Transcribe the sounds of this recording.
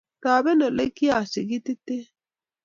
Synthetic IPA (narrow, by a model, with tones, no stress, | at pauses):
t̪aː˨bɛ˦no˨le˦ki˦a˨si˨ɡi˦t̪i˦t̪e˦